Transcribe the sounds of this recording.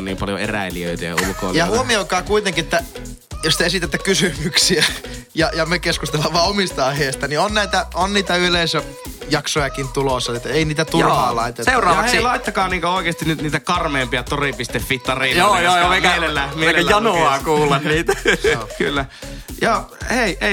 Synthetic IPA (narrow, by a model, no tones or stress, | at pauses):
nniːmpɑljo̰ḛræ̰iliø̰it̪æjɑ̰ṵluko̰iljɑhuomiokɑːkuit̪eŋkiet̪ːæjost̪eesit̪et̪ːækysymyksiæjɑjɑmekeskust̪elːɑʋːɑːomist̪ɑɑiheːst̪ɑnionnæit̪æonniːt̪æyleisø | jɑksojɑkint̪ulosːɑet̪ːeiniːt̪æt̪ulɑ̰ːlɑit̪etseurɑːʋɑssilɑit̪ːɑkɑːniːŋkooˑikeːst̪inyt̪niːt̪ækɑrmeːmpiɑt̪oripist̪efːit̪ːɑriːljoːjoːjemielelːæmieeːjɑnoɑːkuːlːɑnniːt̪æky̰lːæjɑheiʔe